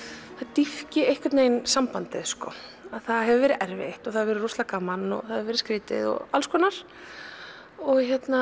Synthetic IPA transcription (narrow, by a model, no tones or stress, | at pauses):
θat̪ifcɪejhkvɪɾt̪neːjnsampant̪ɪð̥skɔaðθaðɦɛvʏvɛːɾɪʔɛɾvḛht̪ɔɣθaðvɛɾɪɾruwst̪lakamanːɔ̰ɣθaðɛvɛɾɪskɾɪːt̪ɪ̰ðɔ̰ɣalskɔːnaɾ̥ | ɔɣçɛt̪na